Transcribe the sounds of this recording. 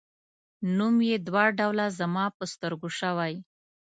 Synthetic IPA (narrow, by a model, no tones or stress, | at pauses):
numjed̪wɑɖawlazamɑpəst̪əɾɡoʃəwaj